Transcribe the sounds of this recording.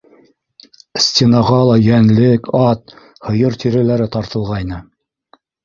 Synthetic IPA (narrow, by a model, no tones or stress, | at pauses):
sʲtʲenɑʁɑlˠɑjænlɘkʰɑt̪̚ | hŏjɤɾt̪ʰʲiɾɘlæɾɘt̪ɑɾt̪ɤ̆lˠʁɑjnɤ